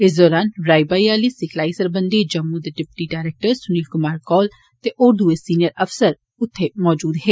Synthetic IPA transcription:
ɪs̬d̪ɔːɾaːnɾaːibaːiaːliːsɪkʰlaːisəɾbə̃nd̪iːd͡ʒəmːud̪eɖɪpʈiɖaːɪɾeːk̚ʈəɾsʊniːlkʊmaːɾkɔːl | t̪eʔoːɾd̪uesiːnɪjəɾəfsəɾ | ʊt̪ʰːemɔːd͡ʒuːd̪ɦeː

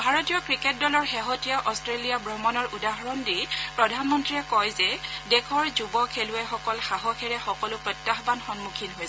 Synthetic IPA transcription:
bʱaɹɔtijɔkɹiket̚dɔlɔɹxeɦotijaʔɔstɹelijabɹɔmɔnɔɹudaɦɔɹɔndipɹɔdʱanmɔntɹiɛkɔjzɛdɛkʰɔɹzubɔkʰelʊɛxɔkɔlxaɦɔkʰɛɹɛxɔkɔlʊpɹɔtːaxbanxɔnmukʰinɦojs

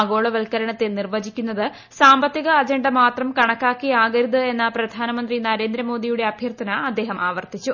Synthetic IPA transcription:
ɡo̞ːɭɐʋɐlkɐɾɐɳɐt̪ːenirʋɐd͡ʑikʲːunːɐðɨ | saːmbɐt̪ːiɣɐːd͡ʑɐɳɖɐmaːt̪rɐmkɐɳɐkːaːkːiaːɣɐɾuðɨe̞nːɐprɐd̪ʱaːnɐmɐnd̪rinɐɾe̞ːnd̪ɾɐmo̞ːd̪ijuɽe̞ɐbʱjɐrt̪ʰɐnɐɐd̪ːe̞ːɦɐmaːʋɐrt̪it͡ɕːu

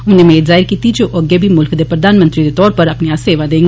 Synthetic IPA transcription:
ʊnẽmɛ̃ezaːɪɾkiːt̪id͡ʒoːʔəɡebʱimʊlkd̪epɾɐd̪aːnmə̃nt̪ɾid̪et̪ɔːɾpɐɾɐpniaseːʋad̪eːŋɡ

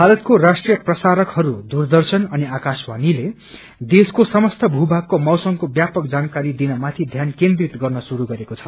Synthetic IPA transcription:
bʱalʌt̪̚korasʈrijʌprʌsaɾʌkhʌɾud̪urd̪ʌrsʌnʌniakaswanile | d̪eskosʌmʌst̪ʰʌbʱubʱakːomʌwsʌŋkobjapʌkd͡zankaɾid̪inʌmat̪ʰid̪ʱjankend̪rit̪ɡʌrnʌsuɾuɡʌɾekot͡sʰʌ

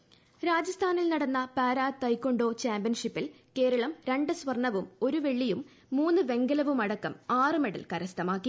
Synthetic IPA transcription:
ɾaːd͡ʑɐst̪ʰaːnilnɐɽɐnːɐpaːɾaːt̪ɐjkːo̞ɳɖo̞ːt͡ɕaːmbijɐnʂipːil | ke̞ːɾɐɭɐmɾeɳɖɨsʋɐrɳːɐʋumo̞ɾuʋe̞ɭːijumː | uːnːɨʋe̞ŋɡɐlɐʋumɐɽɐkːɐmaːrɨmeɽɐ̰lkɐɾɐst̪ʰɐmaːkːi

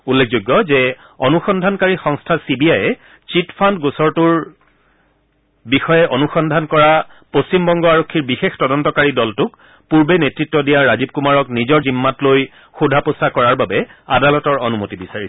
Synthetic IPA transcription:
ulːekʰzoɡːɔzɛ | onuxɔndʱankaɹixɔŋstʰasibiajɛ | t͡ʃitfʰandɡusɔɹtuɹ | bixɔjɛʔonuxɔndʱankɔɹa | post͡ɕimbɔŋɡɔaɹokʰːiɹbixextɔdɔntɔkaɹidɔltʊk | puɹbenetɹitːɔdijaɹazib̚kumaɹɔknizɔɹzimːatloj | xudʱaposakɔɹaɹbabɛadalɔtɔɹonumotibisaɹisɛ

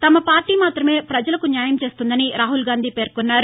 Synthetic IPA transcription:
t̪ɐmɐpaːɾʈiːmaːt̪ɾɐme̞ːpɾɐd͡ʒɐlɐkunjaːjɐmt͡ʃe̞ːst̪und̪ɐniɾaːɦulɡaːnd̪iːpe̞ːɾkunːaːɾu

